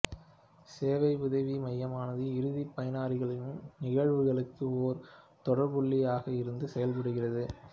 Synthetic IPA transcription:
seːʋɐɪʊðɐʋimɐjːɐmaːnɐðɯɪɾɯðipːɐjɪnaːɾɪɣɐɭɪjɯmnɪɣɐɻʋɯɣɐɭɯkːɯoːɾ | t̪ɔɽɐɾbʊɭːɪjaːɣɐɪɾɯnd̪ɯsɛjɐlpɐɽɯɣɪrɐðɯ

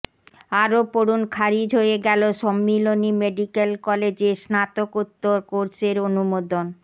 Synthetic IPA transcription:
aɾopoɾunkʰaɾid͡ʑʱɦoeɡɛloʃɔmːilonimeɖikelkɔled͡ʑeɾsnat̪okut̪ːoɾkoɾseɾonumod̪on

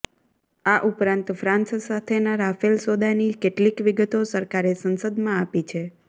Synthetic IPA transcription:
aʔupɾãnt̪fɾãnssat̪ʰenaɾafelsod̪anikeʈlikʋiɡət̪osəɾkaɾesənsəd̪mãapit͡ʃʰe

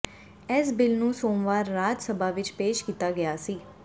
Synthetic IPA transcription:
ɛːsbɪlnũːsoːmʋaːɾːaːd͡ʒ̪səbaːʋɪt͡ʃpeːʃkiːt̪aːɡɪjaːsiː

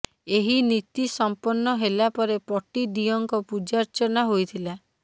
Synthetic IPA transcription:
eɦinit̪isɔmpɔnːɔɦelapɔɾepɔʈid̪ijɔŋkɔpud͡ʒaɾt͡ʃɔnaɦojt̪ʰila

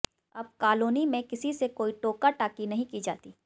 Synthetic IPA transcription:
ɐb̚kaːloːnimẽkɪsisekoːiʈoːkaʈaːkinɐɦĩkid͡ʒa̰ːt̪iː

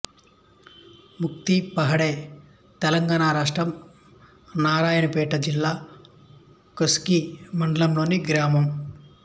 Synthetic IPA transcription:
mukt̪ipɐɦɐɽeː | t̪ɛlɐŋɡaːnɳaːɾaːʂʈɾɐm | naːɾaːjɐnɐpɛːʈɐd͡ʒilːaː | koskimɐɳɖɐlɐmlo̞ːniɡɾaːmɐm

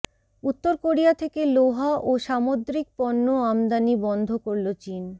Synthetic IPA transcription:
ut̪ːoɾkoɾijat̪ʰekeloɦaʔoʃamod̪ɾik̚pɔnːoamd̪anibɔnd̪ʱokoɾlot͡ɕin

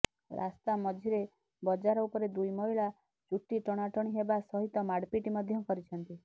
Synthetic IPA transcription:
ɾʔa̰st̪amɔd͡ʒʱiɾe | bɔd͡ʒaɾɔupɔɾed̪ujmɔɦiɭa | t͡ʃuʈːiʈɔɽ̃aʈɔɽ̃iɦebasɔɦit̪ɔmaɽpiʈimɔd̪ʱjɔkɔɾit͡ʃʰɔnt̪i

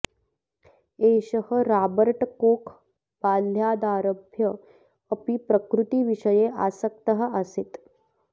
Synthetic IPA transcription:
eɕəɦəɾaːbəɾʈkoːkʰ | baːljaːd̪aːɾəbʱjəː | pipɾəkɾut̪iːʋiʂəjeʔasək̚t̪əɦəaset̪

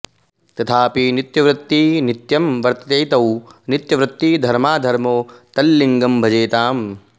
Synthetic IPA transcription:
t̪ɐt̪ʰaːpinit̪jɐʋɾut̪ːinit̪jɐmʋɐɾt̪ɐt̪eːt̪ɐwnit̪jɐʋɾut̪ːiːd̪ʱɐɾmaːd̪ʱɐɾmoːt̪ɐlːiŋɡɐmbʱɐd͡ʒeːt̪aːm

